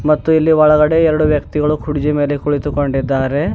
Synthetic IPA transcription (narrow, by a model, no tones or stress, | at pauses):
mɐt̪ːuilːiʋɐɭɐɡɐɽe̞ɛɾɐɽuʋjɐk̚t̪iɡɐɭukʰuɽid͡ʒime̞ːlekuɭit̪uko̞ɳɖid̪ːaːɾe̞